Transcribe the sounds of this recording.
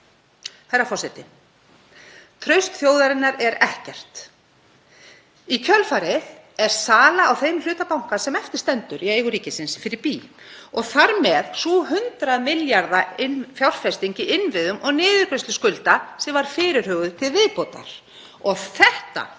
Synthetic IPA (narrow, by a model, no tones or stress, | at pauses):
hajɾːafɔrsɛt̪ɪ | t̪ʰɾœɥst̪θjoːwðaɾɪnːaɾɛɾɛhcɛr̥t̪ | icʰœlfaɾɪð | ɛɾ̥saːlaːwθejml̥ʏːt̪apawŋ̥kḁsɛmɛft̪ɪ̥st̪ɛnt̪ʏɾʔiejɣʏɾiːcɪsɪnsfɪɾɪɾpiːɔɣθaɾmɛðsuɦʏnt̪ɾaðmɪljaɾðaɪnfjawr̥fɛst̪iɲcɪʔɪnːvɪðʏmʔɔɣnɪːðʏɾ̥kɾest̪lʏskʏlt̪asɛmvaɾ̥fɪːɾɪɾ̥hœːɣʏðt̪ʰɪlvɪðpoːt̪a̰ɾ̥ | ɔɣθɛht̪a̰